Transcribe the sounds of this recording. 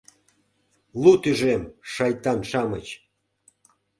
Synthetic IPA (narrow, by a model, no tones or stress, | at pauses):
lˠut̪yʒemʃɑjt̪ɑnʃɑmət͡ɕ